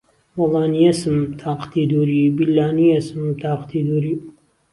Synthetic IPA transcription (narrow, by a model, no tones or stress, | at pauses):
wɐlɑːnijɐsɨmt̪ʰaːqt̪id̪uːɾibilːaːnijesɨmt̪ʰaːqt̪id̪uːɾi